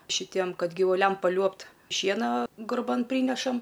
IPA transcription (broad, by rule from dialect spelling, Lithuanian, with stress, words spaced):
ʃʲɪˈtʲiɛm ˈkɐt ɡʲɪʋʊˈlʲɛm pɐˈlʲuɔpt ˈʃʲiɛnɐ ɡʊrˈbɐn ˈpʲrʲiːnʲɛʃɐm